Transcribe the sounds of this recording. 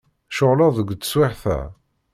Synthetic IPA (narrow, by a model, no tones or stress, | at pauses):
ʃoʁlɑðˤəɡʷt͡sːswɪħθæ̰